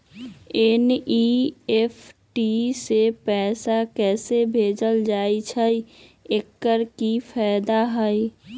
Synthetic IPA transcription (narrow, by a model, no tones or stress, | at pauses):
eniepʰʈisepɛːsakɛːsebʱeːd͡ʒəld͡ʒaːit͡ʃʰəiekːəɾkipʰɛːd̪aɦəi